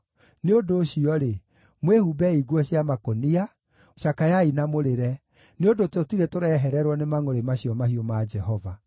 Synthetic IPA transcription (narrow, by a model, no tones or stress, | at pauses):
neodoːɕiɔɾe | mwehubɛiɡwɔɕjamakonia | ɕakajainamoɾeɾɛ | neodototiɾetoɾɛɦɛɾɛɾwɔnemaŋoɾemaɕiɔmaɦiomad͡ʒɛɦɔva